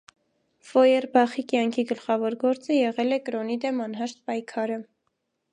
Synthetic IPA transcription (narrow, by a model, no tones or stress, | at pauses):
fɔjɛrbɑχikjɑŋkʰiɡəlχɑvɔɾɡɔɾt͡səjɛʁɛlɛkɾɔnid̪ɛmɑnɦɑʃt̪̚pɑjkʰɑɾə